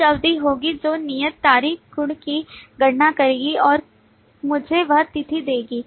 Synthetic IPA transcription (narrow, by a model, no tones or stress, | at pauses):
ɐʋd̪iɦoːɡid͡ʒoːnijət̪ːaːɾiːkɡʊɽkiɡɐʈnakɐɾeːɡiɔːɾ | mʊd͡ʒʱeʋɐɦt̪ɪt̪ʰid̪eːɡiː